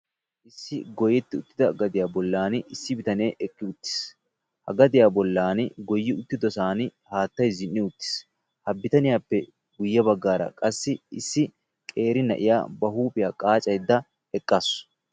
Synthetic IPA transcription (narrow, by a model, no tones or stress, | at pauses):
ʔɪsːɪɡɔjɛt̪ːɪʊt̪ːɪd̪ɐɡɐd̪ɪjaːbɔlːaːnɪsːɪbɪt̪ɐneːʔɛkːɪʊt̪ːɪ̥s | hɐ̰ɡɐd̪ɪjaːbɔlːaːnɡɔjːɪʊt̪ːɪd̪ɔsaːnɪhaːt̪ːɐjzɪnːɪʊt̪ːɪ̥s | hɐbːɪt̪ɐnɪjaːpːɛ | ɡʊjːɐbɐɡːaːɾɐ̰kʼɐsːɪɪsːɪ | kʼe̞ːɾɪnɐ̰ʔɪ̰ja̰ːbɐɦuːpʼɪjaːkʼaːt͡ʃʼɐjd̪ːɐ | ɛkʼːas